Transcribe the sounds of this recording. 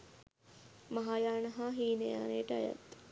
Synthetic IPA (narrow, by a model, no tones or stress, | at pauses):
maɦaːjaːnɐɦaːɦiːnəja̰ːnejəʈəaja̰t̪